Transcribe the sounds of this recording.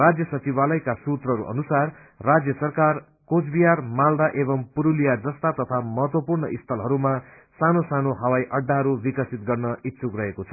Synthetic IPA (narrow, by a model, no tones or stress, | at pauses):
rad͡zjʌsʌt͡sibalʌjkasut̪rʌɾṵʔʌ̰nusarː | ad͡zjʌsʌrkar | kot͡sʰbijarmald̪aʔeβʌmpuɾulijad͡zʌst̪at̪ʌt̪ʰamʌɦʌt̪wʌpurɳʌʔist̪ʰʌlɦʌɾuma | sanosanoɦʌwajʔʌɖːaɦʌɾubikʌsit̪̚ɡʌrnʌit̪ːsʰukrʌɦekot͡sʰʌ